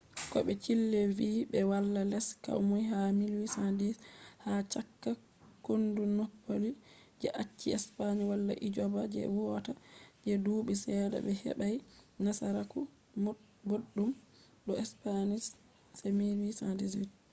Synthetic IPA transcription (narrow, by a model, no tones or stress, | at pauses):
kɔɓɛt͡ʃilːeviːbɛwalːalɛska̰wmujɦamilwisadishat͡ʃakːa | kondunɔpːoli | d͡ʒɛʔat͡ʃːiɛspaɲiwalːa̰ʔid͡ʒɔbad͡ʒɛ̰wuɔtad͡ʒɛduːɓisɛːda̰bɛhɛ̰ɓajnasaɾaku | muɗ | boɗːum | ɗɔɛspanis | semilwisandisid